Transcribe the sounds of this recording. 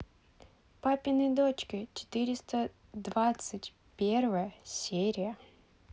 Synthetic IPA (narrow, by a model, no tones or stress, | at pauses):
papʲɪnɨjd̪ot͡ɕkʲɪt͡ɕɪ̥t̪ɨɾʲɪst̪ə | d̪vat̪sɨtʲ | pʲervəjəsʲeɾʲɪjə